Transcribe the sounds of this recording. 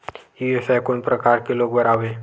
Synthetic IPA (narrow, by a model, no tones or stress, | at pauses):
juesajkoɳpɾəkaɾkeloɡbəɾaʋe